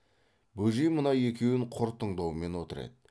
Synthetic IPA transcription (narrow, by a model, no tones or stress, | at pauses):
bɵʒijmənɑje̞kʲe̞wɪɴqʰʊɾt̪ʰəɴd̪ɑwəme̞nwot̪əɾḛd̪ə